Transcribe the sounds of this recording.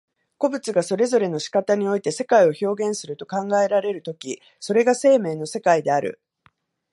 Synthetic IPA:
ko̞bɯ̟t͡sɨɡaso̞ɾe̞zo̞ɾe̞no̞ɕi̥kat̪aɲ̟io̞it̪e̞se̞kaio̞ço̞ːɡẽ̞ɰ̃sɨɾɯ̟t̪o̞kãŋɡae̞ɾaɾe̞ɾɯ̟t̪o̞kʲi | so̞ɾe̞ɡase̞ːme̞ːno̞se̞kaid̪e̞aɾɯ̟̰

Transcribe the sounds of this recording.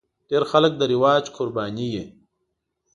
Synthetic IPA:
ɖeːɾxalək̚d̪əɾiwɑːd͡ʒqʰʊɾbɑːnije

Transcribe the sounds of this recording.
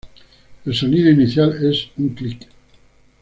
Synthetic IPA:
elsoniðoiniθjalesuŋklik

